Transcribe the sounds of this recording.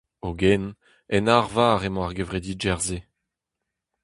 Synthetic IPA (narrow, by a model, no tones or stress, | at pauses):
oɡɛn | ɛnaʁvaːʁemɔ̃aʁɡevʁed̪iːd͡ʒɛʁze